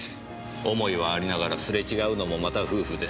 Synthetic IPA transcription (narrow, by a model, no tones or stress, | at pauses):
o̞mo̞iβ̞aːɾʲinaɡaɾasɨɾe̞t͡ɕiɡaɯ̟no̞mo̞mat̪aɸɯ̟ːɸɯ̟d̪e̞s